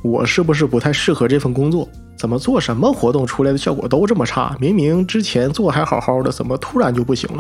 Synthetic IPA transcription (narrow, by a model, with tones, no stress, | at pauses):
wɔ̰˨˩ʂɻ̩˥˩bu˩ʂ̬ɻ̩˥˩pu˧˥t̪ʰa˥˧ɪʂɻ̩˥˩xɤ˧˥ʈ͡ʂɤ˥˧fə˥˩nkʊ˥ŋt͡swɔ˥˩ | t͡sə˨˩nmə˦t͡swɔ˥˩ʂə˧˥nmə˧xwɔ˧˥t̪ʊ˥˩ŋʈ͡ʂʰu˧˥la˧˥ɪd̪ə˧ɕjɑ˥˩ʊkwɔ̰˨˩t̪o˥ʊʈ͡ʂmə˨˩ʈ͡ʂʰa̰˥˩mi˧˥ŋmi˧˥ŋʈ͡ʂɻ̩˥t͡ɕʰjɛ˧˥nt͡swɔ˥˩xa˧˥ɪxɑ˨˩ʊxɑ˥˩ʊd̪ə˩t͡sə̰˨˩nmə˦t̪ʰu˥ɻa˧˥nt͡ɕjo˥˧ʊp̬u˥˩ɕḭ˧˥ŋlə˧